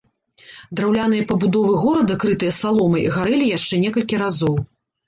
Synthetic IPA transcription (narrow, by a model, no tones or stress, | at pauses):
d̪ɾawlʲanɨjɐpɐbud̪ɔvɨɣɔɾɐd̪ɐkɾɨt̪ɨjɐsalˠɔmɐiɣaɾɛlʲijaʂt͡ʂɛnʲɛkɐlʲkʲiɾazɔw